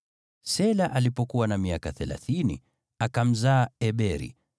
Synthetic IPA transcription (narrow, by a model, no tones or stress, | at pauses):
sɛlaʔalipɔkuwanamiakaθɛla̰θinḭ | akam̩zaːɛɓɛɾḭ